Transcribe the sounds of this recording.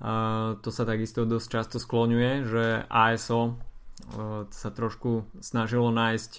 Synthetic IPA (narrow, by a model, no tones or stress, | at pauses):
t̪ɔsat̪aɡist̪ɔd̪ɔst͡ʃast̪ɔsklɔɲujɛʒɛʔaːɛsɔ | sat̪ɾɔʃkusnaʒilɔnaːjsc